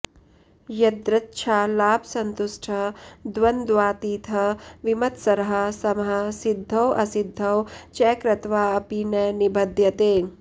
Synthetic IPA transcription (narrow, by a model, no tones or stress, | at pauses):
jɐd̪ɾɐt̪ːʃʰaːlaːbʰsɐnt̪uʂʈʰɐd̪ʋɐnd̪ʋaːt̪iːt̪ʰɐʋimɐt̪sɐɾɐɦɐsɐmɦɐ̆sid̪ʱːɐwɐsid̪ʱːɐwt͡ʃɛːkɾɐt̪ʋaːɐpinɐːnibɐd̪jɐt̪eː